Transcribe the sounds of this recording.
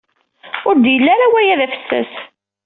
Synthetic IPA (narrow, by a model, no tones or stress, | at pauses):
ʊɾd̪jəlːaɾawæjæðæfə̥sːæ̰s